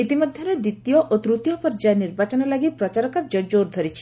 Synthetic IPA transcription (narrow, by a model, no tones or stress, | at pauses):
it̪imɔd̪ʱjɔɾed̪it̪ijɔʔot̪ɾut̪ijɔpɔɾd͡ʒaniɾbat͡ʃɔnɔlaɡipɾɔt͡ʃaɾɔkaɾd͡ʒɔd͡ʒoɾd̪ʱɔɾit͡ʃʰi̥